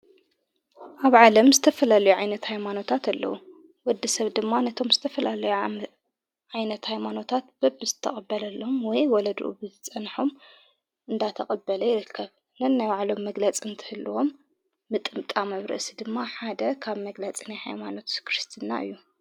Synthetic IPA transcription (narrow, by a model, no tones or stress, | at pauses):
ʔaβʕalɐmzɨt̪ʰɐfɐlalɐjuʕajnɐt̪hajmano̞t̪ʰat̪ʰalːɐ̰wu | wɔd̪ːɨsɐβd̪ɨmːanɐt̪ʰo̞mzɨ̥t̪ʰɐfɐlalɐju | ʕajnɐt̪hajmano̞t̪ʰat̪̚b̥ɐbɨzɨt̪ʰːɐχʼɐbːɐlɐlːoomwɔjwɔlɐd̪ʔṵbɨt͡sʼɐnħom | ʔɨnd̪at̪ʰɐχʼɐbːɐlɐjɪɾɨkʰːɐβ | nɐnːajwaʕlo̞mːɐɡlɐt͡sʼiɨnt̪ʰɨ̥hɨlːɨwo̞mː | ɨt̪ʼɨmt̪ʼamɐβɾɐ̰sid̪ɨmːaħad̪ɐkʰaβmɐɡlɐt͡sʼinajha̰jmano̞t̪kʰɾɨst̪ʰɨnːa̰ʔɨ̰jːu